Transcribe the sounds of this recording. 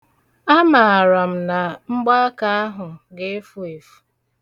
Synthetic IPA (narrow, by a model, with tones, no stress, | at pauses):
a˦ma˨a˨ɾa˨m̩˨na˨ŋ͡m̩˦ɡ͡ba˦ka˦a˦ɦʊ˨ɡe˦fu˦e˨fu̥˦